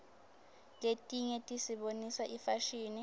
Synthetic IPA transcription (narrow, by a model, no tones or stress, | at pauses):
letʼiɲɛtʼisiɓonisaʔifaʃiːni